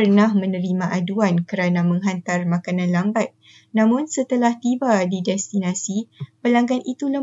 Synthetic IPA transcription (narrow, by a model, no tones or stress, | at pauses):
ərnahmə̃nə̃ɾimãʔaduankəɾanamə̃ŋɦant̪armakanãnlambat̪̚ | nãmʊ̃nsət̪əlaht̪ibadidɛst̪inasipəlaŋɡanʔit̪ulə